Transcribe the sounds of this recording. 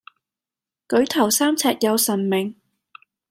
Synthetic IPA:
kɵ˨˥ɥt̪ʰɐ˨˩wsaː˥mt͡sʰɛː˧t̚jɐ˨˧wsɐ˨˩nmɪ˨˩ŋ

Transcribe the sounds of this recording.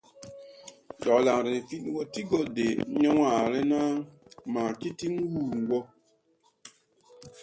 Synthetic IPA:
d͡ʒɔ˨la˨ŋɾi˨ni˨fi˦ɗwɔ˦ti˦ɡɔ˦de˨ɲɔ˦wa˨ɾɛ˦na˦maː˨ki˦ti˦ŋ˦wuː˦˨wɔ˦

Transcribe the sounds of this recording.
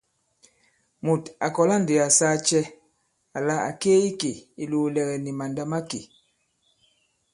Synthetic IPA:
mu˨ta˨kɔ˨la˦nde˨a˨saː˦t͡ʃɛ˦ | a˨la˦a̰˨keː˦i˦ke˨i˨loː˨lɛ˨ɣɛ˨ni˨ma˨nda˦ma˦kḛ˨

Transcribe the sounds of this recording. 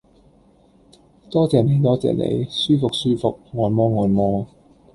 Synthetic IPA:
t̪ɔː˥t͡sɛː˨˩ne˨˧jt̪ɔː˥t͡sɛ̰ː˨nḛ˨˧jsyː˥fʊ˨k̚syː˥fʊ˨k̚ŋɔː˨nmɔː˥ŋɔː˨nmɔː˥

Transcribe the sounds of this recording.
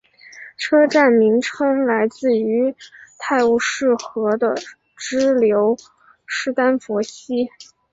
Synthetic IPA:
ʈ͡ʂʰɤ˥ʈ͡ʂa˥˩nmi˧˥ŋʈ͡ʂʰɤ˥ŋla˧˥ɪt͡sɹ̩˥˩y˧˥t̪ʰa˥˧ɪu˥˩ʂɻ̩˥˩xɤ˧˥d̪ə˧ | ʈ͡ʂɻ̩˥ljo˧˥ʊ | ʂɻ̩˥˩t̪a˥nfɔ˧˥ɕi˥

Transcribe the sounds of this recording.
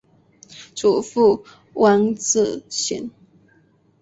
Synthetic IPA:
ʈ͡ʂu˨˩fu˥˩ | wʔa˥nt͡sɹ̩˥˩ɕḭ˧˦n

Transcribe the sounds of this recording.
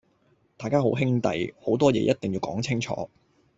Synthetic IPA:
t̪aː˨jkaː˥ɦo˨˥wɦɪ˥ŋt̪ɐ̰˨jho˨˥wt̪ɔː˥jɛ̰ː˧jʔɐ˥t̚t̪ɪ˨ŋjiː˨˧wkɔ̰ː˨˥ŋt͡sʰɪ˥ŋt͡ʃʰɔ̰ː˨˥

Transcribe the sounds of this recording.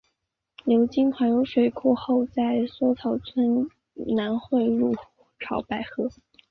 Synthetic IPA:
ljo˧˥ʊt͡ɕi˥nkʰwa˧˥njo˧˥ʊʂwe˨˩ɪkʰu˥˧xo˥˧ʊt͡sa˥˩ɪswɔ˥t͡sʰɑ˨˩ʊt͡sʰwə˥n | na˧˥nxwe˥˧ɪɻu˥˩ | ʈ͡ʂʰɑ˨˧˥ʊpa˥˩ɪxɤ˥

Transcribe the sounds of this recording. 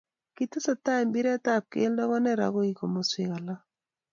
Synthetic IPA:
ki˨tɪ˦sa˨ta˦i˨mbi˦ɾɛ˦ta˦p̚kḛ˦ldɔ˦ɣɔ˦nɛ˦ɾa̰˨ɣo˦i˨ko˨mo˨swɪ˨ɣa˨la˦

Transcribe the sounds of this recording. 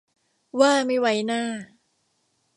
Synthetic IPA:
waː˥˩ma˥˩jwa˨˦˥jnaː˥˩

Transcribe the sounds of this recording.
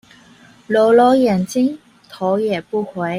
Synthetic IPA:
lo˨˩wlo˨˧˥jɛ˨˩nt͡ɕi˥ŋ | t̪ʰo˨˧˥jɛ˨˩pu˥˩xwe˨˥j

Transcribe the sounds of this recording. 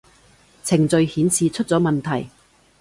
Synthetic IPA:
t͡sʰɪ˨˩ŋt͡sɵ˨˧ɥhiː˨˥nt͡sʰiː˧t͡ʃʰɵ˥t̚t͡sɔː˨˥mɐ˨nt̪ʰɐ˨˩j

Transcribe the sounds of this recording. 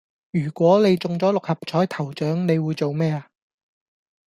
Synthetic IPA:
jyː˨˩kʷɔː˨˥ne˨˧jt͡sʊ˨ŋt͡sɔː˨˥lʊ˨k̚hɐ˨p̚t͡ʃʰɔː˨˥jt̪ʰɐ˨˩wt͡ʃœː˨˥ŋne˨˧jwuː˨˧jt͡so˨wmɛː˥a˨˧

